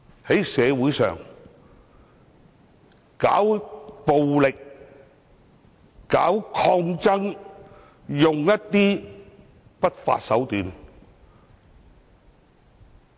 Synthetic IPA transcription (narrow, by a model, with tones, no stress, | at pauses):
he˨˥jsɛː˨˧wuː˨˥jsœ̰ː˨ŋ | ka̰ː˨˥wpo˨wlɪ˨k̚ | kaː˨˥wkʰɔː˧ŋt͡sɐ˥ŋ | jʊ˨ŋjɐ˥t̚t̪iː˥ | pɐ˥t̚fa̰ː˧t̚sɐ˨˥wt̪yː˨˧n